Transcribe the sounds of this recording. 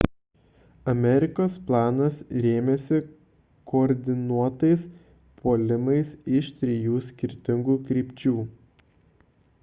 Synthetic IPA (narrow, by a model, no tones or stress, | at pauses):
ɐmʲɛɾʲɪkoːsplˠɑːnɐsɾʲeːmʲɛsʲɪ | koːɾʲd̪ʲɪnuɔt̪ɐɪs | pʰoːlʲɪmɐɪsɪʃt̪ʲɾʲɪjuːsʲkʲɪɾʲt̪ʲɪŋɡuːkɾʲiːpʲt͡ʃʲuː